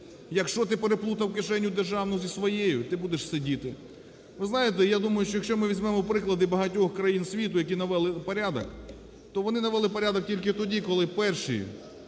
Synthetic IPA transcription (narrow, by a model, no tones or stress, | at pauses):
jɐkʃt͡ʃɔt̪ɪpeɾeplˠut̪ɐwkɪʃɛnʲːʊd̪erʒɑwnɔzʲisʋɔjejʊt̪ɪbud̪eʃsedʲit̪ɪ | ʋɪznɑjet̪ɛjad̪umɐjʊʃt͡ʃɔjɐkʃt͡ʃɔmɪʋʲizʲmɛmɔpɾɪklˠɐd̪ɪbɐɦɐtʲɔxkɾɐjinsʲʋʲit̪ʊjɐk̬ʲinɐʋɛlˠɪpɐɾʲad̪ɐk | t̪ɔʋɔnɪnɐʋɛlˠɪpɐɾʲad̪ɔk̚tʲilʲkɪt̪ɔdʲikɔlˠɪpɛrʃḭ